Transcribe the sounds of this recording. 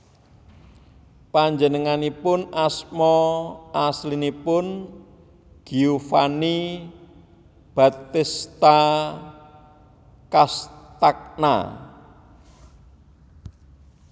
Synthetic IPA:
paɲd͡ʒənəŋanipʊnasmɔʔaslinipʊn | ɡ̥iufani | b̥a̤t̪ɪst̪a | kast̪ak̚na̰

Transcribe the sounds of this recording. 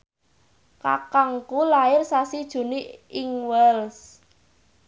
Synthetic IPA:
ka̰kaŋkulaɪrsasid̥ʒ̥ṳniɪŋwɛls

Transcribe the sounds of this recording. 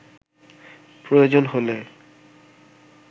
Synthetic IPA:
pɹojozɔnɦolɛ

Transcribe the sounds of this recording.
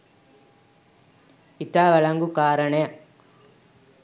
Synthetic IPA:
it̪aːʋɐɭɐŋɡukaːɾɐɳe

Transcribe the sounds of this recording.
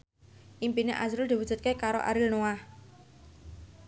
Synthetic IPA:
ʔimpinḛʔazɾʊld̪i̤wu̥ʒ̥ṳt̪̚kekaɾoʔa̰ɾɪlnoah

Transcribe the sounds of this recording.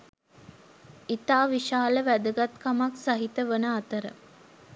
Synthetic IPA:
it̪aːʋiʃaːləʋæd̪əɡat̪kamaksaɦit̪əʋənəat̪əɾə̰

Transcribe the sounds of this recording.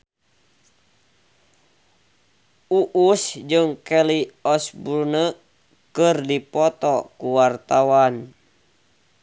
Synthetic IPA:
uʔusd͡ʒɨŋkɛliɔsbunə | kɨrdipɔt̪ɔkuwart̪awan

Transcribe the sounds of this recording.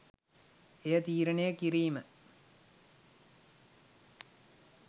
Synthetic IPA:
ejət̪iːɾəɳejəkiɾiːmə

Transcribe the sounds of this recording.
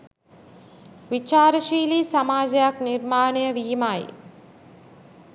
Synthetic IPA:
ʋit͡ʃaːɾəʃiːlisamaːd͡ʒəjaknirmaːnejəʋiːmaj

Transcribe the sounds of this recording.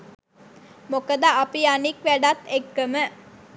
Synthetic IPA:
mokəd̪aʔɐpiɐnikʋæɖat̪ːekːəmə

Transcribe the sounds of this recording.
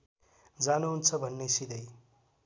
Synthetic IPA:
d͡zanuɦunt͡sʰʌbʱʌnːesid̪ʌj

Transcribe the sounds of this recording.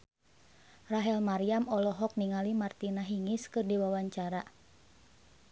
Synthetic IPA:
raɦɛlmaɾiamɔlɔɦɔk̚niŋalimart̪inaɦiŋiskɨrdiwawaɲt͡ʃaɾa

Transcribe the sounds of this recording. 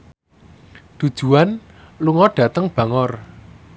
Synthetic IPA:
d̪̥ṳd̥ʒ̥ṳan | luŋɔɖ̥ä̤t̪əŋb̥ä̤ŋɔr

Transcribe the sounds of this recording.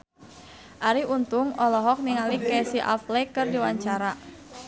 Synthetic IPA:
ʔaɾiunt̪ʊŋɔlɔɦɔk̚niŋalikɛsiʔa̰flɛkɨrdiwaɲt͡ʃaɾa

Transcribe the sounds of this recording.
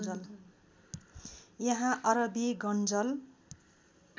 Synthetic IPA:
d͡zʌl | jʌɦãʔʌɾʌbiɡʌnd͡zʌl

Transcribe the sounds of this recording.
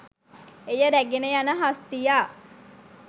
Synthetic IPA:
ejəɾæɡenəjanəɦast̪ijaː

